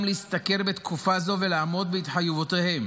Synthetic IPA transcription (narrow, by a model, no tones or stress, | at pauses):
mleist̪ake̞ʁbet̪kufazo̞velaʕmo̞d̪̚beit̪ħajevot̪ehe̞m